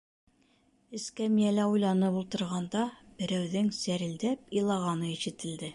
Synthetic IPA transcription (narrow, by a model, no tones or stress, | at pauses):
ɘ̆skæmijælæujlˠɑnɤpulˠt̪ɤ̆ɾʁɑnd̪ɑb̥ɘ̆ɾæwðɘŋsæɾɘ̆ld̪æpilˠɑʁɑnɤiʃɘ̆t̪ɘ̆ld̪ɘ